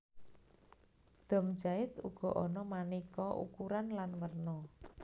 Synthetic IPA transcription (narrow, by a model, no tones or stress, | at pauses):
d̪̥ɔ̤m̥d͡ʒaɪt̪uɡ̥ɔ̤ʔɔnɔmanikɔʔṵkuɾanlanwərnɔ